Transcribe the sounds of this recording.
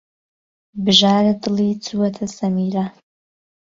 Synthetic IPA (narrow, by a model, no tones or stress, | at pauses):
bʒaːɾɨdɨlit͡sʰʼuwɐtʰɐsɐmiːra